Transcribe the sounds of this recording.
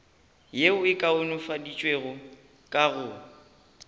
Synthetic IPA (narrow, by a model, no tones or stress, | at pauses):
jeʊɪkʼaʊnʊfadit͡ʃʼweɣʊ | kʼaɣʊ